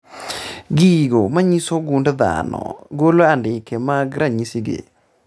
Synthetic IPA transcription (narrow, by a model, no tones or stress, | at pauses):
ɡiɡomaɲisoɡundða̰nɔ̰ɡoloandɪkemaɡɾaɲisiɡḛ